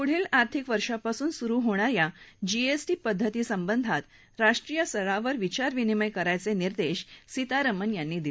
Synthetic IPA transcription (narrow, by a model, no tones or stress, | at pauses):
puɽ̤iːlaɾt̪ʰikʋəɾʂapasuːnsuɾuːɦoɽ̃aɾjad͡ʑiesʈiːpəd̪ʱːət̪iːsəmbənd̪ʱat̪ | ɾaʂʈɾiːjəsəɭaʋəɾʋit͡ɕaɾʋiniməjkəɾajt͡seniɾd̪eɕsit̪aɾəmənjanːiːd̪i